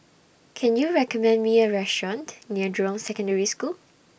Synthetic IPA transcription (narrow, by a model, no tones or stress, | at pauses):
kʰɛ̃njuɹɛkɔmɛ̃ndmiəɹɛstɹɔ̃ntniədɹɔ̃msɛkə̃ndəɹiskul